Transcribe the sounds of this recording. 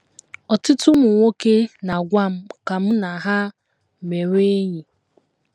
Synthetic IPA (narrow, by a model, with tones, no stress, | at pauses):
ɔ˨tʊ˦tʊ˦mʊ˨ŋʷo˦ke˦na˨ɡʷa˦m̩˦ka˨m̩˦na˨ɦa˦ | me˨ɾe˦ɲi˨